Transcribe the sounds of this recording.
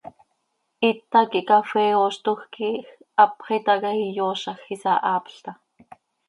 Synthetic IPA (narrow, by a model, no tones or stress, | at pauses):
ʔit̪ːɑkiʔkafɛːoʃt̪oxkix | ɑpχit̪ɑkɑhijoːʃɑxisɑʔɑːpɬt̪ɑ